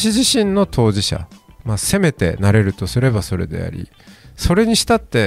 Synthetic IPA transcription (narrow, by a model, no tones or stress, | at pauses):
ɕiʑiɕĩnːo̞t̪ʰo̞ːʑiɕa̰mase̞me̞t̪e̞̰naɾe̞ɾɯ̟t̪o̞sɨɾe̞baso̞ɾe̞̰d̪e̞̰a̰ɾʲḭ | so̞ɾe̞ɲ̟iɕi̥t̪at̪ːe̞